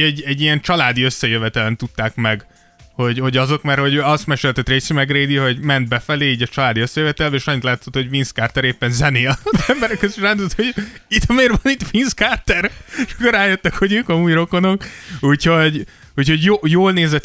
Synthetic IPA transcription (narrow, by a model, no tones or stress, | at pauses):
ɛɟɛɟːijɛnt͡ʃɒlaːd̪iøsːɛjøvɛt̪ɛlɛnt̪ut̪ːaːkmɛɡ | ho̞ɟho̞ɟɒzo̞kmɛrho̞ɟøːɒst̪mɛʃølt̪ɛt̪reːsymɛɡreːd̪iɦo̞ɟmɛnd̪̚bɛfɛleːiːɟɒt͡ʃɒlaːd̪iøsːɛjøvɛt̪ɛlbɛeːʃɒɲːit̪laːt̪sot̪ho̞ɟvinskaːrt̪ɛɾeːpːɛnzɛneːlɛmbɛɾɛkøziʃraːnd̪oot̪hoit̪hɒmeːrvɒnit̪finskaːrt̪ɛɾʃkːoɾaːjøt̪ːɛkho̞ɟøːkɒmuːjro̞kono̞kuːcho̞ɟ | uːcho̞ɟjoːjoːlneːzɛt̪